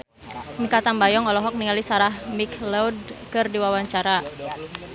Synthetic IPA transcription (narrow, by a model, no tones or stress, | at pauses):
mikat̪ambajɔŋɔlɔɦɔk̚niŋalisaɾahmikʰlɔwd̚kɨrdiwawaɲt͡ʃaɾa